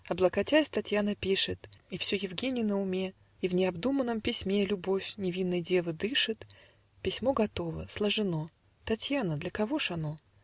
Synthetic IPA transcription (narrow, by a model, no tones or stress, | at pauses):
ɐblˠəkɐtʲasʲt̪ɐtʲjanəpʲiʂɨt̪ifsʲojɪvɡʲenʲɪjnəʊmʲe̞ | ivnʲɪɐbd̪umənːəmpʲɪsʲmʲe̞lʲʊbo̞fʲnʲɪvʲinːəjdʲe̞vəd̪ɨʂɨt̪ | pʲɪsʲmo̞ɡɐt̪o̞və̰slˠəʐɨno̞ | t̪ɐtʲjanəd̪lʲəkɐvo̞ʂɐno̞